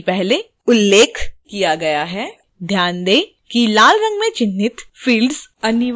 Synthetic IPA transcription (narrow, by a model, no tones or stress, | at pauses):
pɛɦle | ʊlːeːkʰkijaɡɐjaɦɛː | d̪ʱjaːnd̪eː | kilaːlɾɐ̃ŋɡmẽt͡ʃɪnːɪt̪fiːlɖzɐnɪ